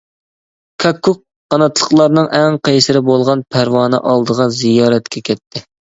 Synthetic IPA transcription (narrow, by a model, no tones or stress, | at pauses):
kʰɑkʰːuq̚ːɑnɑt̪lˠəqlˠɑɾnɨŋʔɛŋqʰejsɪɾɪbolˠʁɑnpʰæɾwɑːnɨ̰ʔɑlˠd̪əʁɑzijɑːɾɛt̪kʲʰɛkʲʰɛt̪ʰːɪ